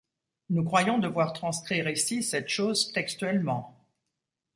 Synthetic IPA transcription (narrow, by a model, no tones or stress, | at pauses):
nukχwajɔ̃d̪əvwaʁt̪χɑ̃skχiʁisisɛt̪ʃozt̪ɛkst̪ɥɛlmɑ̃